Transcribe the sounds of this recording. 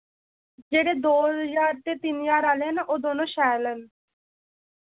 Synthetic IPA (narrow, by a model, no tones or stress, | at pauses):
d͡ʒeːɽeːd̪oːjaːɾt̪eːt̪injaːɾaːleːnaʔoːd̪oːnõːʃɛːlən